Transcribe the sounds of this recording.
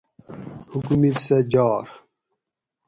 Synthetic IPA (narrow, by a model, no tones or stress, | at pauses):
hukumilsɐd͡ʑɑːɾ